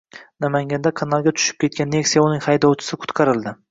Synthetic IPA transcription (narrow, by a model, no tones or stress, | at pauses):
namaŋɡʲand̪akʰɑnɑlˠɡʲat̪ʰʊ̥ʃɪ̥p̚kʲʰe̞t̪̚kʲanːeksijaʊnɪŋhɑjd̪ɒwt͡ʃʰɪ̥sɪkʰʊ̥t̪qʰɑɾɪlˠd̪ɪ